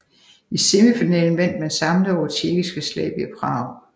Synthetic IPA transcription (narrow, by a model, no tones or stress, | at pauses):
iseməfinɛ̰ːln̩ʋæn̰d̥mænsɑ̈mləðɒʊ̥t͡sʰiɐɡ̥isɡ̥əslɛ̰ːb̥iæpʰʁɑ̈ʊ̰